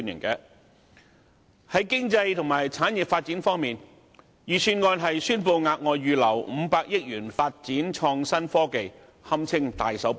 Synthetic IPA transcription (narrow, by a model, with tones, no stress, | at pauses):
njɪ̰˨˩ŋkɛː˧ | hɐ˨˥jkɪ˥ŋt͡sɐ˧jt̪ʰʊ˨˩ŋmaː˨˩jt͡sʰaː˨˥njɪ˨p̚faː˧t̚t͡si˨˥nfɔː˥ŋmiː˨˩n | jyː˨syː˨˧nŋɔː˧nɦɐ˨jsyː˥npo˧wŋaː˧k̚ŋɔː˧jːyː˨˧lɐ˨˩wm̩˨˧paː˧k̚jɪ˥k̚jyː˨˩nfaː˧t̚t͡siː˨˥nt͡ʃʰɔː˧ŋsɐ˥nfɔː˥ke˨j | hɐ˥mt͡sʰɪ˥ŋt̪aː˨jsɐ˨˥w